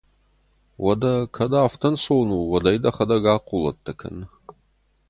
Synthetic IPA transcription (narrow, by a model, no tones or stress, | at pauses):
wʔɐdɐkʰɐdaːftʰɐnsownuːwɐdɐjdɐχɐdɐɡaːqulɐ̰tʰːɐkʰɐ̰n